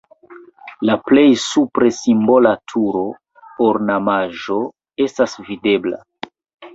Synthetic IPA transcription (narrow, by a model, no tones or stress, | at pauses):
laplejsupɾesimbolatʰuɾo | poɾnamaʒo̞ | e̞stasvide̞bla̰